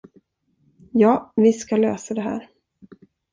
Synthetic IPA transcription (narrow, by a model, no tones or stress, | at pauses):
jɑːvɪskalø̰ːsad̪ɛɦæ̰ːɾ